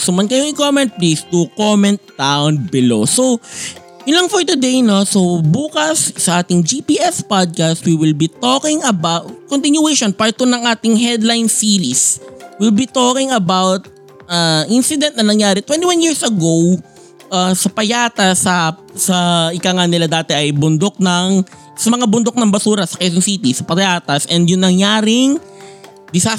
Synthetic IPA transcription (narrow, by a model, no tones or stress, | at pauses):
somɐnkɐjoŋɪkomɛ̃nt̪̚plisd̪ukomɛ̃nt̪̚ːawn̚bɪlo̰sow | jʊnlɐŋfɔɹt̪ʊd̪ejno̞sobuːkɐsːɐʔaːt̪ɪŋd͡ʒipiːʔɛspad̪̚kɐst̪wiwɪlbit̪oːkɪŋʔɐbatkont̪ɪnjʊɛjʃonpaɹt̪onɐŋʔaːt̪ɪŋɦɛd̪lajnsiːɾiswilbit̪oːkɪŋɐbawt̪̚ | ʔaʔinsɪd̪ɛnt̪̚nɐnɐŋjaːɾɛt̪wɛnt̪iwanjiɹsʔɐɡow | ʔasɐpɐjaːt̪ɐsɐ | sɐʔɪkaŋanɪlad̪aːt̪ɛʔɐjbʊnd̪ok̚nɐŋ | sɐmɐŋabʊnd̪ok̚nɐŋbɐsuːɾɐsɐkɛjs̬onsit̪isɐpɐɐjaːt̪ɐsʔɛnd̪jʊŋnɐŋjaːɾɪŋ | d̪ɪsa